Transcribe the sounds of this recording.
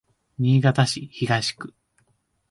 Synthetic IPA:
ɲʲiːɡat̪aɕiçiɡaɕi̥kɯ̟̥

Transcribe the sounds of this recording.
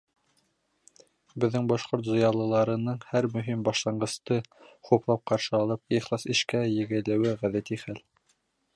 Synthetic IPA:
bɘ̆ðːɘŋbɑʃqoɾt̪zojɑlˠɤ̆lˠɑɾɤ̆nɤɴhæɾmɵ̆ɦimbɑʃlˠɑɴɢɤ̆st̪ɤχuplˠɑp̚qɑɾʃɤɑlˠɤp̚iχlˠɑsĭʃkæjɘ̆ɡɘ̆lɘ̆wɘʁæðæt̪iχæl

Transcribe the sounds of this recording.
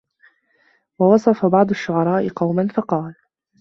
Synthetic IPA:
wɑwɑsˤɑfabɑʕd̪ˤʊʃːʊʕɑɾˤɑːʔɪqɑwmanfɑqɑːl

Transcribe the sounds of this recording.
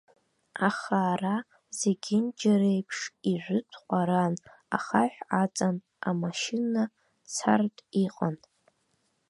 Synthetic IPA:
aχaːra | zeɡʲɪnd͡ʒaɾejpʰʂiʒʷʊt͡sʷʰqʷʼaɾan | a̰χaħʷᶣat͡sʼan | amaʃina | t͡sʰa̰rtʼiqʼan

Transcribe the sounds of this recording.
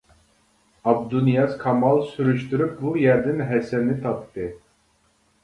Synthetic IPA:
ɑb̚d̪unijɑzkʰɑmɑlˠsyɾyʃt̪yɾyp̚bujɛɾd̪ɛnɦɛsɛnit̪ʰɑpt̪ːɨ

